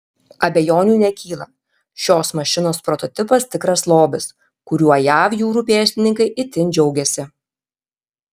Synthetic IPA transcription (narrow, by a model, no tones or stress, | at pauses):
ɐbʲɛjoːnʲuːnʲɛkʲiːlˠɐ | ʃʲoːsmɐʃʲɪnoːspɾɔt̪ɔt̪ʲɪpɐst̪ʲɪkɾɐslˠoːbʲɪs | kʊɾʲuɔjæːʋjuːɾuːpʲeːsʲt̪ʲɪnʲɪŋkɐɪʔɪt̪ʲɪnʲd͡ʒʲɛʊɡʲɛsʲɪ